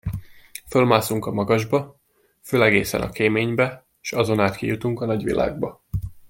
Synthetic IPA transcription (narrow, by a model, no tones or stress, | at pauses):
fø̞lmaːsuŋkɒmɒɡɒʒbɒ | føːlɛɡeːsɛ̰nɒ̰keːmeːɲbɛ | ʃɒzo̞naːt̪kijut̪uŋkɒnɒɟʋḭlʔa̰ːɡbɒ